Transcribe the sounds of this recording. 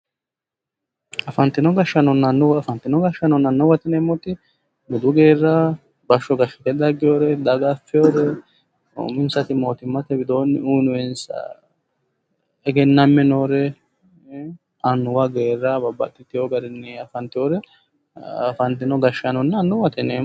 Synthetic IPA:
ɐfɐnt̪ɪnɔɡɐʃːɐnɔnːɐnːʊwɐfɐnt̪ːɪnɔɡɐʃːɐnɔnɐnːɔwɐt̪ɪnɛmːɔt̪ɪ | bʊd̪ʊɡe̞ːrːa | bɐʃːɔɡɐʃːɐ̥t̪ɛd̪ɐɡɪjoːɾɛd̪ɐɡafːɪjoːɾɛ | o̰mɪnsɐt̪ɪmo̞ːt̪ɪmːɐt̪ɛbɪd̪o̞ːnːɪuːnʊwɛns | ɛɡɛnːɐmːɛnoːɾɛ | ɐnːʊwɐɡeːrːɐbɐbːɐ̰t̪ʼːɪt̪ːɪjoːɡɐɾɪnːɛɐfɐnt̪ːɪjoɾɛ | ɐfɐnt̪ɪnɔɡɐʃːɐnɔnːɐnːʊwɐt̪ɪneː

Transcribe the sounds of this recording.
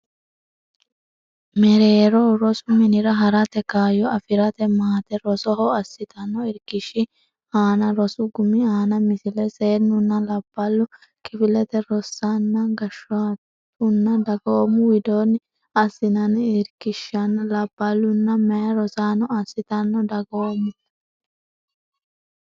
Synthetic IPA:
mɛɾeːɾɔɾɔsʊmɪnɪɾɐɦɐɾɐt̪ɛkaːjɔɐfɪɾɐt̪ɛmaːt̪ɛɾɔsɔɦɔɐsːɪt̪ʰɐnɔɪɾkɪʃːɪ | aːnɐɾɔsʊɡʊmːɪaːnɐmɪsɪlɛse̞ːnːʊnːɐlɐb̥ːɐlːʊ | kɪfɪlɛt̪ɛɾɔsːanːɐɡɐʃat̪ | ʊnːɐd̪ɐɡoːmʊwɪd̪oːnːɪ | ɐsːɪnɐnɪɾkɪʃɐnːɐlɐbːɐlːʊnːɐmɛjɐɾɔsaːnɔɐsːɪt̪ɐnːɔd̪ɐɡoːmʊ

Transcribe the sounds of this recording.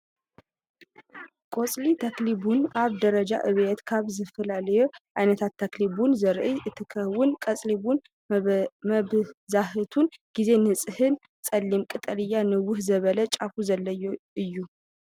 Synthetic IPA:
kʼo̞sʼlit̪ʰaklibunʔaβd̪əɾəd͡ʒa̰ʔɨβet̪kʰaβzɨfəlaljɛʔajnət̪ʰat̪ʰːaklibunzəɾʔɨɨt̪ʰːɨkʰəhwʊnkʼəsʼlibun | məzahɨt̪ʰunɡ̥ize̞nɨsʼɨhɨn | sʼəlːimkʼɨt̪ʼəlɨjːanɨwʊhzəβələt͡ʃʼafuzəlːəjɨjːu

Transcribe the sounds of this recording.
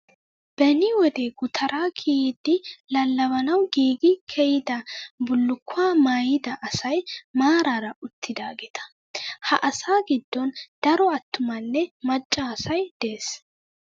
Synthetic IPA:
b̥ɛnːɪwɔd̪eːɡʊt̪ʰɐɾʔaːkʰid̪ɪlɐlːɐβɐnɐwɡiːɡɪkʰɛjɪd̪ɐbʊlːʊkːʊaːmaːjɪd̪ɐʔɐsɐjmaːɾaɾɐʔʊt̪ʰːɪd̪aːɡet̪ʰɐ̥ | hɐʔɐsaːɡɪd̪ːɔnd̪̥ɐɾɔɐt̪ːʊmɐnːɛmɐt͡ʃʼːaːsɐjd̪̥eːs

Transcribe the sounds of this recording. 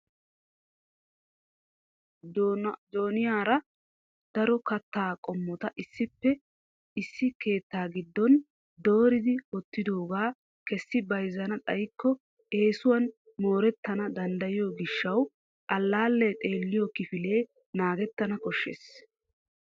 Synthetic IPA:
d̪oːnɪjaːɾɐ | d̪̥ɐɾɔkɐt̪ːaːkʼɔmːɔt̪ɐʔɪsːɪpːɛ | ɪsːɪke̞ːt̪ːaːɡɪd̪ːɔn | d̪o̞ːɾɪd̪ɪɔt̪ːɪd̪o̞ːɡaː | kɛsːɪbɐjzɐnɐt̪ʼɐjkːɔ | e̞ːsʊwɐn | mo̞ːɾɛt̪ːɐnɐd̪ɐnd̪ɐjɪjoːɡɪʃːɐw | ʔɐlːaːlːɛt̪ʼe̞ːlːɪjɔkɪfɪle̞ː | naːɡɛt̪ːɐnɐkɔʃːḛːs

